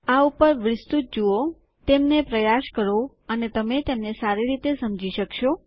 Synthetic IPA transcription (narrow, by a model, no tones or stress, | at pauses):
aupəɾʋɪst̪ut̪̚d͡ʒuo | t̪emnepɾəjaʃkəɾo | ənet̪əmet̪emnesaɾiɾit̪esəmd͡ʒiʃəkʃo